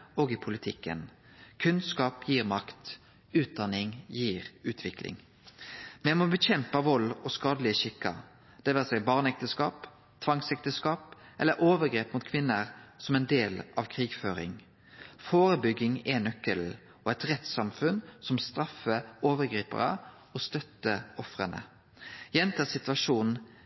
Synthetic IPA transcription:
oːɡɪpʰʊlɪt̪ʰɪkːə̰n | kʰʉnskɑːpjiːʁmɑkt̪ | ʉːt̪̚d̪ɑnɪŋjiːʁʉːt̪ʰʋɪklɪ̰ŋ | mɛmɔbəçɛmpɑʋɔlːɔskɑːd̪əlɪəʃɪkːə̰ | d̪̥ɛʋɛʁsɛɪbɑːʁnɛk̚t̪əskɑːp | t̪ʰʋɑŋsɛk̚t̪əskɑːpʔɛlːəɾʔoːʋəɡɾeːpmʊt̪kʰʋɪnːəʁsɔmɛɪnd̪eːlʔɑʋkʰʁiːɡføːʁɪ̰ŋ | foːʁəbʏɡɪŋɛnœkːəl | ɔɛt̪ʁɛt̪sɑmfʉnsɔmst̪ɾɑfəoːʋəʁɡɾiːpə̰ʁə̰ | ɔst̪œt̪ːəɔfʁənə̰ | jɛnt̪ʰəsɪt̪ʉɑʂuːnn̩

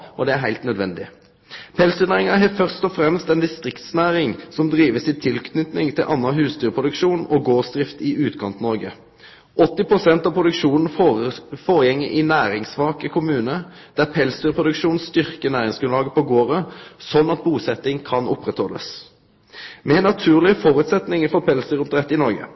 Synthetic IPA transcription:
ɔd̪ɛæɾɦæɪlt̪nœd̪ʋɛnd̪ɪ | pʰɛlst̪yːnæːʁɪŋɑɦɛfœʁst̪ɔfʁɛmst̪ɛnd̪ɪst̪ʁɪkt̪snæːʁɪŋsɔmd̪ʁiːʋəsɪt̪ʰɪlkʰnʏt̪nɪŋt̪ʰɪlʔɑnːɑɦʉːst̪yːʁəpʰʁʊd̪ʉkʃuːnɔɡoːsd̪ʁɪft̪ɪʉːt̪kʰɑnt̪nɔʁɡə | ɔt̪ːɪpʁʊsɛnt̪ɑʋpʰʁʊd̪ʉkʃuːnn̩foəfoːʁjɛŋːɪ̰ʔɪnæːʁɪŋsʋɑːkəkʰʊmʉːnə | d̪̥æʁpʰɛlsd̪yːʁəpʰʁʊd̪ʉkʃuːnst̪ʏʁkənæːʁɪŋsɡʉnlɑːɡəpʰɔɡoːʁəsɔnːɑt̪̚buːsɛt̪ːɪŋkʰɑnʊ̰pʁɛt̪hɔlːə̰s | mɛnːɑt̪ʰʉːʁlɪəfɔɾʉːt̪sɛt̪nɪŋəfɔpʰɛlsd̪yːʁɔpd̪ʁɛt̪ːɪnɔʁɡə̰

